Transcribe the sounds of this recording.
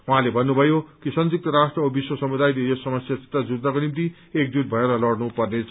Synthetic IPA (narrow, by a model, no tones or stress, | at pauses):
uɦãlebʱʌnːubʱʌjokisʌnd͡zik̚t̪ʌɾasʈrʌbiswʌsʌmud̪ajlejosʌmʌsjasi̥t̪rad͡zud̪nʌkonimt̪i | ek̚d͡zut̪̚bʱʌeɾʌlʌɽnupʌrnet͡sʰ